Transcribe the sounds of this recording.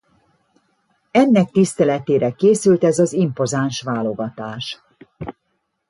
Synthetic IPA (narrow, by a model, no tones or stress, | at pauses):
ɛnːɛk̚t̪ist̪ɛlɛt̪eːɾɛkeːsylt̪ɛzɒzimpo̞zanʃʋaːlo̞ɡɒt̪aːʃ